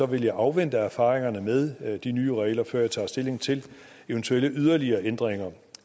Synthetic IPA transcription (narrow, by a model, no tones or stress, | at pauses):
ɒ̽ʋe̝ljɑ̈ɪʔɑ̈ʊʋend̥əæɐfɑ̈ːʁeŋɐnəmeð̞ˠd̥inyːəʁɛɪlɐfɶɐ̰jɑ̈ɪt͡sʰɑ̰̈ːsd̥e̝le̝ŋt͡sʰe̝l | eənt͡sʰueləʔyð̞ˠɐliɐːʔend̥ʁeŋɐ